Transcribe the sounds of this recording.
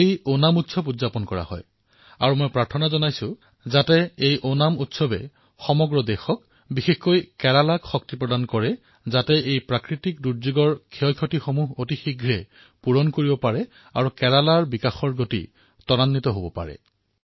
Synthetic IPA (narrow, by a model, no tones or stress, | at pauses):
ejonamutsɔbudzapɔnkɔɹa̰hɔ̰j | a̰ɹumojpɹaɹtʰɔnazɔnajsʊ | zatɛejʔonamutsɔbɛ̰ | xɔmɔɡɹɔdɛxɔk | bixexkojkɛɹalakxɔk̚tipɹɔdankɔɹɛ | zatɛʔejpɹakɹitikduɹzuɡɔɹkʰiɔjkʰotixomuɦotixiɡʱɹɛ | puɹɔnkoɹibɔpaɹɛ | a̰ɹukɛɹalaɹbikaxɔɹɡotḭ | tɔɹanːit̪ɔɦobɔpa̰ɹɛ̰